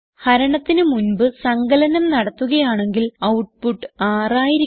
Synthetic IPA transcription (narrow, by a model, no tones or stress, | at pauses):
hɐɾɐɳɐt̪ːinɨmunbɨsɐŋɡɐlɐnɐmnɐɽɐt̪ːuɣɐjaːɳe̞ŋɡilɐwʈ̚puʈːɨaːraːjiɾi